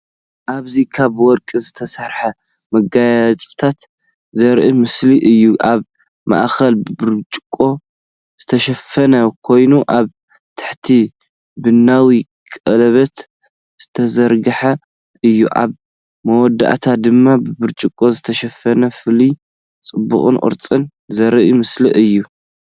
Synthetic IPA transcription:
ʔaβzikʰaβwɔɾkʼizɨt̪ʰɐsɐɾħɐ | mɐɡajat͡sʼɨ̥t̪ʰat̪ | zɐɾʔɨmɨsliʔɨjːuʔaβ | ma̰ʔxɐlbɨbɨɾt͡ʃʼɪkʼːo̞ | z̥ɨt̪ʰɐʃɐfɐnɐkʰo̞jnuʔaβ | t̪ʰɨ̥ħt̪ʰi | bɨnːawikʼɐlɐβɐt̪ | z̥ɨt̪ʰɐzɐɾɡɨħa | ʔɨjːuʔa̰β | mɐwɔd̪a̰ʔt̪ʰad̪ɨmːabɨbɨɾt͡ʃʼɨkʼːo̞zɨt̪ʰɐʃɐfɐnɐfɨli | t͡sʼɨbːṵχʼɨ̰nʔʼɨ̰ɾt͡sʼɨn | zɐɾʔimɨsliʔɨjːu

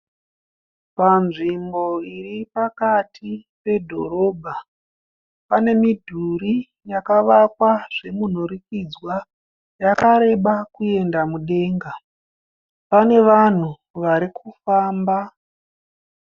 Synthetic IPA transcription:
panʐimbo̞iripakatʰipe̞dʱo̞̰ɾo̞ːbʱa | pane̞midʱuɾi | jakaʋakwaʐe̞mun̤uɾikid͡zwa | jakaɾe̞ɓakue̞ndamuɗe̞ːŋɡa | pane̞ʋan̤u | ʋaɾikʰufaːmba

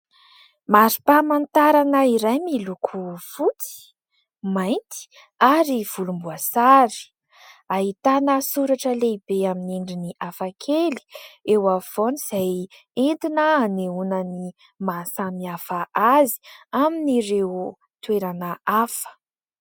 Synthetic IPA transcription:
maɾi̥pamant̪aɾanaiɾajmilukʰufut͡si̥ | majnt̪i̥ | aɾiv̥ulumbuasaɾi̥ | aɦit̪anəsuɾaʈ͡ʂəleibeaminiɳɖ͡ʐiniʔafakʰeli̥ewav̥oniz̥aj | ent̪inəaneunəni | masamiafaʔazi̥aminiɾew | t̪weɾanəafə̥

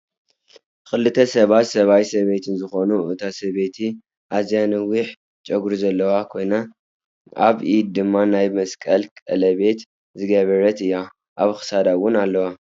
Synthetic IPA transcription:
xɨlːɨt̪ʰɐsɐβat̪sɐβajsɐβet̪ʰɨnzɨxo̞nuɨt̪ʰasɐβet̪ʰi | ʔazjanɐwiħ | t͡ʃʼɐɡɾuzɐlːɐwakʰo̞jna | ʔa̰βʔid̪̚d̪ɨmːanajmɐskʼɐlkʼɐlɐβe̞t̪ | zɨɡɐβɐɾɐt̪ɨjːa | ʔaβxɨ̥sad̪awʊnalːɐwa

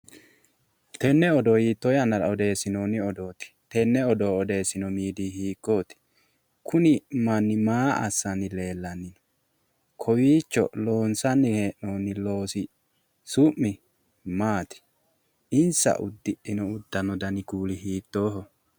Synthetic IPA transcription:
t̪ɛnːɛɔd̪ɔhiːt̪ːɔjɐnːɐɾɐɔd̪e̞ːsːɪnoːnɪɔd̪o̞ːt̪ɪ̥t̪ɛnːɛɔd̪oːɔd̪e̞ːsɪnɔmiːd̪iːhiːkːoːt̪ɪ̥ | kʰʊnɪmɐnːɪmaːɐ̰sːɐnɪle̞ːlːɐnːɪnɔ̥ | kʰɔwiːt͡ʃːɔ̰loːnsɐnːɪheːʔnoːnːɪlo̞ːsɪ | sʊʔmːɪ | maːt̪ɪ̥ | ɪnsɐ̰ʔʊ̰d̪ːɪʔɪnɔʊd̪ːɐnɔd̪ɐnɪkuːlɪhiːt̪ːoːɦɔ

